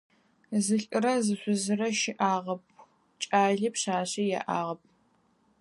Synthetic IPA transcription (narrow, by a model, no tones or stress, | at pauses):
zɨɬʼɨɾɐzɨɕʷʊzɨɾɐʃɪʔaːʁɐp̚ʰ | t͡ʃʼaːɮipɕaːɕijɛ̰ʔaːʁɐp̚ʰ